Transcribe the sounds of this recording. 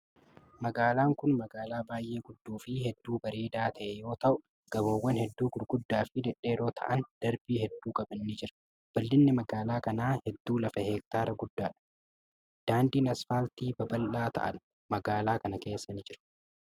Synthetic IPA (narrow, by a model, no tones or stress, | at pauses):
mɐɡaːlaːŋkʊnmɐɡaːlaːbaːjʔe̞ːɡʊd̪ːuːfɪɦɛd̪ːuːbɐɾeːd̪aːt̪ʰɐʔɛjo̞ːt̪ɐʔʊ | ɡ̥ɐboːwːɐnhɛd̪ːuːɡʊɾɡʊd̪ːaːfɪd̪ɛᶑe̞ːɾo̞ːt̪ʰɐ̰ʔɐnd̪̥ɐɾbiːhɛd̪ːuːkʼɐbɐnːid͡ʒɪɾɐ̥ | b̥ɐlːɪnːɪmɐɡaːlaːkɐnaːhɛd̪ːuːlɐfɐheːk̚t̪aːɾɐɡʊd̪ːaːᶑɐ̥ | d̪̥aːnd̪iːnɐsfaːlt̪iːbɐbɐlːaːt̪ʰɐ̰ʔɐ̰n | mɐɡaːlaːkɐnɐke̞ːsːɐnɪd͡ʒɪɾɐ̥